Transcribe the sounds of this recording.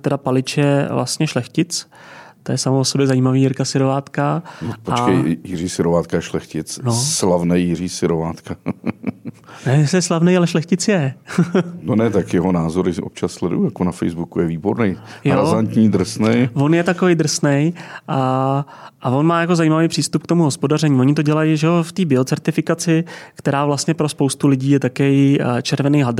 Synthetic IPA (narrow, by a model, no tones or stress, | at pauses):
t̪ɛdapalɪt͡ʃjɛvla̰st̪ɲɛʃlɛxcɪt͡s | t̪ojɛsamoosobjɛzajiːmaviːjɪɾkasɪɾovaːt̪kanopoat͡ʃkɛjjɪr̝iːsɪɾovaːt̪kajɛʃlɛxcɪt͡snoslavnɛjːɪr̝iːsɪɾovaːt̪ka | nɛsjɛslavnɛjalɛʃlɛxcɪt͡sjɛ | nonɛt̪akjɛɦonaːzoɾʔop̚t͡ʃasslɛdṵjujakonafɛjzbukujɛviːboɾnɛjjoazant̪ɲiːd̪r̩snɛjvo̞njɛt̪akovɛjd̪r̩snɛjʔa | ʔavo̞nmaːjako̞zajiːmavejpr̝̥iːst̪upkt̪o̞muɦo̞spo̞dar̝ɛɲiːvoɲɪt̪o̞ɟɛlajiʒɛoft̪iːbɪo̞t͡sɛɾt̪ɪfɪkat͡sɪkt̪ɛɾaːvlast̪ɲɛpɾo̞spo̞wst̪ulɪɟiːjɛt̪akɛjt͡ʃɛɾvɛnijɦad